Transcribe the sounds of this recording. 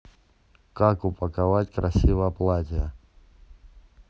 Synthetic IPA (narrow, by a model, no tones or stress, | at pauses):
kakʊpəkavatʲkɾʔɐsʲivəjəplˠatʲɪjə